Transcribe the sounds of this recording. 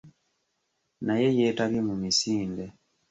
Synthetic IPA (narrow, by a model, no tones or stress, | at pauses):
naje̞jetalimumisiːnde